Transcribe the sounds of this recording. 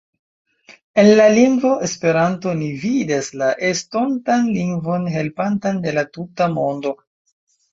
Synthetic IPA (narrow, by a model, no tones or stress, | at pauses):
e̞nlaliŋɡvo̞ʔespe̞ɾanto̞nividaslaʔe̞sto̞ntanliŋɡvo̞nɦe̞lpantande̞latutamo̞ndo̞